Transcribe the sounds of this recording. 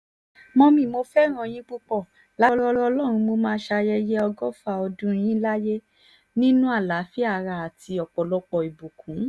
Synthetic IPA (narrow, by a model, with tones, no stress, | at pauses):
mɔ̃˧mĩ˨mo˧fɛ˦ɾ̃ɔ̃˧j̃ĩ˦k͡pu˧k͡pɔ˦˨ | la˦˧ɾɔ˦˧ɾɔ˧lɔ˦˨ɾ̃ũ˧mo˧mãː˦ʃa˧jɛ˧jɛ˦ɔ˧ɡɔ˦fa˧˨ɔ˧dũ˦j̃ĩ˦la˦je˦ | nĩ˦nũ˦a˦˨la˨˦fi˦a˦˨ɾa˧˨a˨ti˧ɔ˨k͡pɔ˨lɔ˦k͡pɔ˨i˨bu˨kʰũ˨˦